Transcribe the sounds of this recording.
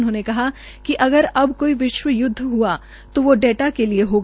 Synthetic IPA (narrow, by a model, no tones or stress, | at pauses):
nɦõːnekɐɦa | kiʔɐɡəɾɐbkoːiʋɪʃwəjʊd̪ʱːɦua | t̪oʋoɖeːʈakelieɦoːɡ